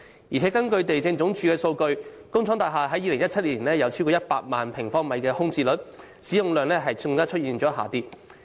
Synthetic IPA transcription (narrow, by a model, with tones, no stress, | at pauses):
jiː˨˩ɛ˨˥kɐ˥nkɵ˧ɥt̪e˨jt͡sɪ˧ŋt͡sʊ˨˥ŋt͡ʃʰyː˨˧kɛː˧so˧wkɵ˧ɥ | kʊ˥ŋt͡ʃʰɔː˨˥ŋt̪aː˨jɦaː˨ɦɐ˨˥jːiː˨˧lɪ˨˩ŋjɐ˥t̚t͡sʰɐ˥t̚liː˨˩nlɛː˥˩jɐ˨˧wt͡sʰi˥kɔː˧˥jɐ˥t̚paː˧t̚maː˨npʰɪ˨˩ŋfɔː˥ŋmɐ˨˧jkɛː˧hʊ˥ŋt͡siː˧lɵ˨˥t̚ | siː˨˥jʊ˨˧ŋlœː˨˧ŋlɛː˥ɦɐ˨jʊ˧ŋkaː˥t͡ʃʰɵ˥t̚jiː˨nt͡ʃɔː˨˥ɦaː˨t̪iː˧p̚